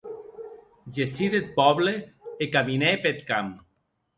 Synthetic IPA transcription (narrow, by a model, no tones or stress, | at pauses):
d͡ʒesiðet̪̚pɔβleːkaminepet̪kam